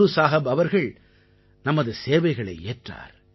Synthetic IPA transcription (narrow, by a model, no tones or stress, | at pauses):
ɯsaːɦɐbɐʋɐɾɣɐɭ | nɐmɐðɯseːʋɐɪɣɐɭɐ̰ɪeːʈra̰ːɾ